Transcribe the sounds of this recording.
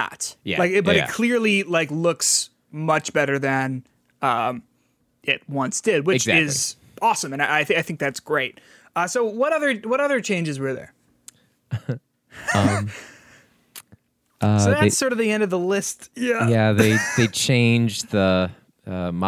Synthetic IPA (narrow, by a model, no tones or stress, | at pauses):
ə̰tjælaɪkb̥ʌɾɨt̚kʰl̥ɪɹlilaɪklʊks | mʌt͡ʃb̥ɛɾə˞ðɨ̃n | ʌ̃m | ɪt̚wʌ̃nsd̥ɪd̚wɨt͡ʃzæɪz | ɔsə̃mɨ̃naɪaɪθaɪθɪ̃ŋk̚ðætsɡ̥ɹeɪt̚ | ʌsoʊwʌɾʌðə˞wʌɾʌðə˞t͡ʃʰẽɪ̃nd͡ʒɨzwɪ˞ðə̰˞ | ʌ̃m | ʔʌsoʊðæsɔɹɾʌvðiɛ̃ndʌvðəlɪstjæjæðeɪðeɪt͡ʃʰẽɪ̃nd͡ʒðə | ʌm